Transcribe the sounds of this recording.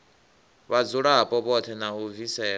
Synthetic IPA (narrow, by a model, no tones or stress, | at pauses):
βad͡zuɺapʼɔpɔtʰɛnauvisɛː